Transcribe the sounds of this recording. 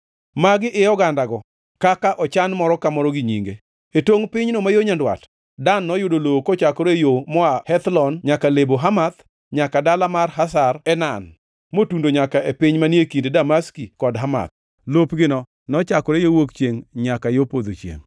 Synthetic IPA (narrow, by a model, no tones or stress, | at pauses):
maɡɪʔɪjɔɡandaɡɔ | kakaʔɔt͡ʃanmɔɾɔkamɔɾɔɡiɲiŋɡe | etoŋpɪɲnomajoɲandwa̰t | danːɔjʊdolokot͡ʃakɔɾejomɔahɛt̪lɔnɲakaleboɦamat̪ | ɲakadalamarɦasarɛnan | motundoɲakaepɪɲmanjekindedamaskikɔdɦama̰t̪̚ | lopɡɪnɔ | nɔt͡ʃakɔɾejowokt͡ʃjeŋɲakajopod̪ot͡ʃjḛŋ